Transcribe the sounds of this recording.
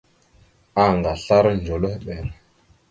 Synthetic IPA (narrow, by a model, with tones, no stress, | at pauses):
a˨ŋɡa˨ɬa˦ɾnd͡ʒo˨lə˦hɓɛ˨ɾ